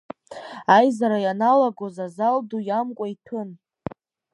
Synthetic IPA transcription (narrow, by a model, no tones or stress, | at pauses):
ajzaɾajanalaɡozazaldujamkʷʼaitʰɨn